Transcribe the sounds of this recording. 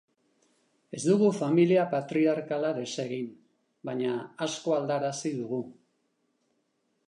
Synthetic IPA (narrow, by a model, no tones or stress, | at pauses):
e̞zd̪uɣ̞ufamiliapat̪ɾiaɾkalaðe̞se̞ɣin | baɲaːsko̞ald̪aɾasiðuɣu